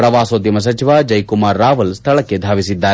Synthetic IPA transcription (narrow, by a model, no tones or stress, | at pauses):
ɾɐʋaːsoːt̪ːimɐs̬ɐt͡ʃiʋad͡ʒɐjkumaːɾːaːʋɐlst̪ʰɐɭɐkːe̞d̪ʱaːʋisid̪ːaːɾ